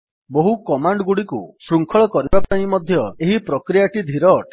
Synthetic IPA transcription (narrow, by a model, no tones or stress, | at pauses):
boɦukɔmaɳɖɡuɽikṵsɾuŋkʰɔɭɔkɔɾibapaɽ̃imɔd̪ʱjɔeɦipɾɔkɾijaʈid̪ʱiɾɔʈ